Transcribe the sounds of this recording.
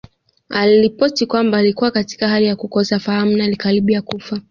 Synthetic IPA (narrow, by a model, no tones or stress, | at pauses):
aliɾipɔtikwambaːlikuwakati̥kahalijakukɔsafaham̩nalikaɾiɓijakufa